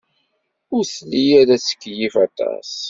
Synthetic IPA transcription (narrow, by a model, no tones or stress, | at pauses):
ʊɾθlijæðæsə̥kːjifat̪ɑ̰s